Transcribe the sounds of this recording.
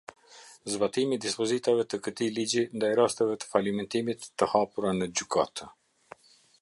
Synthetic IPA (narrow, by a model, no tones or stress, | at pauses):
zbat̪imid̪ispɔzit̪avɛt̪əkət̪ilid͡ʑind̪ajɾast̪ɛvɛt̪ə̥falimɛnt̪imit̪ːəhapuɾanəd͡ʑykʰat̪ʰə